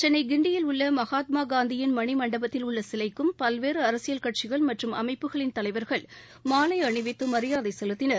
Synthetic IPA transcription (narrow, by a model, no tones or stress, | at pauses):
t͡ʃɛnːɐɪɡɪɳɖɪjɪlʊɭːɐmɐɣaːt̪̚maːɡaːnd̪ɪjɪnmɐɳɪmɐɳɖɐbɐt̪ːɪlʊɭːɐsɪlɐɪkːɯmpɐlʋeːrɯɐɾɐsɪjɐlkɐʈ̚t͡ʃɪɣɐɭmɐʈrɯmɐ̰mɐɪpːɯɣɐɭɪnt̪ɐlɐɪʋɐɾɣɐɭ | maːlɐɪɐɳɪʋɪt̪ːɯmɐɾɪjaːðɐɪsɛlɯt̪ːɪnɐɾ